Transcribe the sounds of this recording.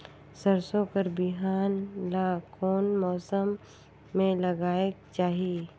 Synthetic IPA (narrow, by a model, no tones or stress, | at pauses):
səɾsõkəɾbɪɦaːnlaːkɔːnmɔːsəmː | ẽlɐɡaːeɡ̚t͡ʃaːɦie